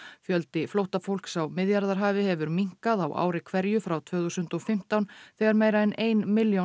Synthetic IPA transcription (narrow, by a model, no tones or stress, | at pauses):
fjœlt̪ɪflowht̪afowl̥ksawmɪðjaɾðaɾ̥ɦaːvɪhɛvʏɾmiŋ̥kaðawʔa̰ːwɾɪkʰvɛɾjʏfɾawt̪ʰv̥œːθusʏnt̪ɔfɪm̥t̪awnθɛːɣaɾmeːjɾaɛnʔeːjnmɪljo